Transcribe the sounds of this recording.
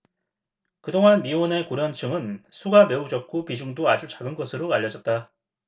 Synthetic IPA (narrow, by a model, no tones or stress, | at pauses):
kɯdoŋɦanmione̞kuɾjʌnt͡ɕʰɯŋɯnsʰuɡame̞ud͡ʑʌk̚k͈opid͡ʑuŋdoad͡ʑut͡ɕaɡɯnɡʌsʰɯɾoaʎjːʌd͡ʑʌt̚t͈a